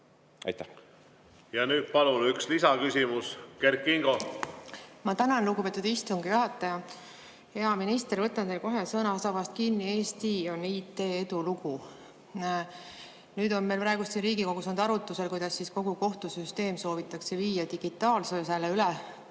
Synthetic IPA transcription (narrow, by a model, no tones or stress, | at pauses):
ɑ̰jt̪ːˑæ | jɑnyːd̪̥̚pɑlunykslisɑkysʲimuskerkːiŋɡ̥o | mɑt̪ænɑnlukupe̞t̪ːˑud̪̥ist̪uŋɡ̥ijuɦɑt̪ːˑɑjɑ | he̞ɑminist̪eɾvɤt̪ːˑɑnt̪elko̞ɦesɤnɑosɑvɑst̪̚kinːie̞ːst̪io̞niːt̪ːeːe̞d̪uluɡ̥u | nyːd̪o̞nme̞jlpɾɑe̞ɡ̥ust̪sinriːɡiko̞ɡ̥usɑnd̪ɑɾut̪ːˑuse̞lkujd̪̥ɑsːisko̞ɡ̥uko̞ht̪usyst̪e̞ːmso̞ːvit̪ːˑɑkse̞viːjɑd̪iɡ̥it̪ːˑɑːlsɤselːeylɛ